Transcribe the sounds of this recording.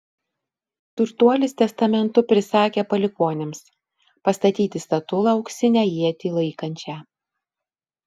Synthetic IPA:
t̪ʊɾt̪uɔlʲɪst̪ʲɛst̪ɐmʲɛnt̪ʊpʲɾʲɪsɑːkʲeːpɐlʲɪkoːnʲɪms | pɐst̪ɐt̪ʲiːt̪ʲɪst̪ɐt̪ʊlˠɐɒʊksʲɪnʲæjiɛt̪ʲiːlˠɐɪkɐnʲt͡ʃʲæ

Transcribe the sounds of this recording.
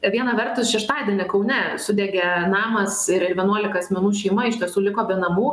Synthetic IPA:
ʋʲiɛnɐʋʲɛrt̪ʊsʃʲɛʃt̪ɑːd̪ʲiɛnʲɪkɐʊnʲɛsʊd̪ʲɛːɡʲɛnɑːmɐsɪɾɪdʲʋʲiɛnuɔlʲɪkɐɐsʲmʲɛnuːʃʲɛɪmɐɪʃʲt̪ʲiɛsuːlʲɪkoːbʲɛnɐmuː

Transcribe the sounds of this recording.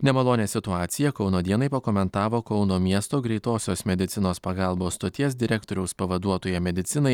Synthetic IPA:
nʲɛmɐlˠoːnʲesʲɪt̪ʊɑːt̪sʲɪjɛkɒʊnoːd̪ʲiɛnɐɪpɐkoːmʲɛnt̪ɑːʋoːkɒʊnoːmʲiɛst̪oːɡɾʲɛɪt̪oːsʲoːsmʲɛd̪ʲɪt̪sʲɪnoːspɐɡɑlˠboːst̪oːt̪ʲiɛsd̪ʲɪɾʲɛkt̪oːɾʲɛʊspɐʋɐd̪uɔt̪oːjɛmʲɛd̪ʲɪt̪sʲɪnɐɪ

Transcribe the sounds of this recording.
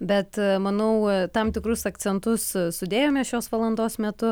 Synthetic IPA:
bʲɛt̪mɐnɐʊt̪ɐmt̪ʲɪkɾʊsɐkt͡ssʲɛnt̪ʊssʊd̪ʲeːjoːmʲɛsʃʲoːsʋɐlˠɐnd̪oːsmʲɛt̪ʊ

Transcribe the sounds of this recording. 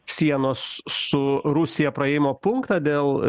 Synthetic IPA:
sʲiɛnoːssʊɾʊsʲɪjɛpɾɐɛjɪmoːpʊŋkt̪ɐd̪ʲeːlˠ

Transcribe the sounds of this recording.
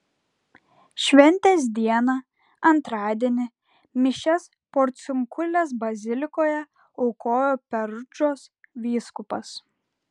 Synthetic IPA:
ʃʲʋʲɛnʲt̪ʲeːs̬d̪ʲiɛnɐ | ɐnt̪ɾɑːd̪ʲiɛnʲɪ | mʲɪʃʲɛs | poɾʲt̪sʲʊŋkʊlʲes̬bɐzʲɪlʲɪkoːjɛ | ɔʊkoːjoːpʲɛɾʊd͡ʒoːsʋʲiːskʊpɐs

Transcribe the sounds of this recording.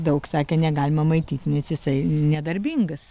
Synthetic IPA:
d̪ɐʊksɑːkʲeːnʲɛɡɑːlʲɪmɐmɐɪt̪ʲiːt̪ʲnʲɛsjɪsɐɪnʲɛd̪ɐɾʲbʲiŋɡɐs

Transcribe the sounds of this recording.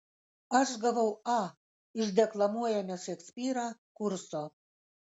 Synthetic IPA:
ɐʃɡɐʋɐʊɑ | ɪʃʲd̪ʲɛklˠɐmuɔjɛmʲɛʃɛksʲpʲiːɾɑkʊɾsoː

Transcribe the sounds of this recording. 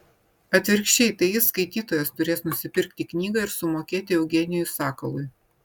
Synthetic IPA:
ɐt̪ʲʋʲɪɾʲkʃʲt͡ʃʲɛɪt̪ɐɪjɪsːkɐɪt̪ʲiːt̪oːjɛst̪ʊɾʲeːsnʊsʲɪpʲɪɾʲk̚t̪ʲiːknʲiːɡɐɪɾsʊmoːkʲeːt̪ʲɪɛʊɡʲɛːnʲɪjʊsɑːkɐlˠʊj

